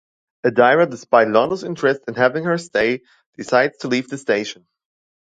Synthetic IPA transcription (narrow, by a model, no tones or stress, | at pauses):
ɨdaɪɹədɨspaɪdˡlɔnəzɪ̃nt͡ʃɹ̥ɨstɨ̃nhævɪ̃ŋhə˞steɪ | d̥ɨsaɪdz̥tʰəlivðɨsteɪʃə̃n̩